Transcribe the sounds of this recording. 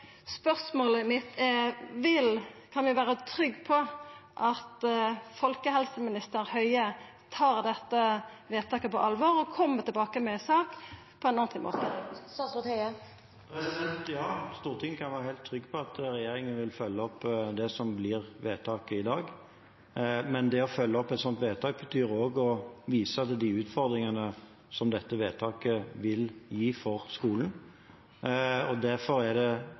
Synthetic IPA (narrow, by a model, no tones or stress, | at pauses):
spœsmoːləɪmɪt̪ʰːɛʋɪlkʰɑnʋɪʋæːɾət̪ʰɾʏɡːpʰɔʔɑt̪fɔlkəɦɛlsəmɪnɪst̪əɾhœʏə | t̪ʰɑːʁd̪ɛt̪ːəʋeːt̪ʰɑːkəpɔ̰ʔɑlʋɔʁɔkʰɔmːət̪ʰɪlbɑːkəmɛsɑːk | pʰɔɛnɑnt̪ɪmo̰ːt̪ə | t̪ə | pʰɾɛsɪd̪ɛnt̪jɑːst̪uːʁt̪ʰɪŋːəkʰɑnʋæːɾəhɛɪlt̪ʰːɾʏɡːpʰɔɑt̪ɾɛjeːɾɪŋənʋɪlfœlːəɔpːd̪ɛsɔmblɪːʁʋeːt̪ʰɑːkəɪd̪ɑːɡ | mɛnd̪ɛɔfœlːəɔpːɛt̪sɔnt̪ʋeːt̪ʰɑːk̚bət̪ʰyːɾoːɡɔʋiːsəɑt̪d̪ɪʉːt̪fɔʁd̪ɾɪŋənə | sɔmd̪ɛt̪ːəʋeːt̪ʰɑːkəʋɪljiːfɔʁskuːlən | ɔd̪æɾfɔɾæd̪ɛ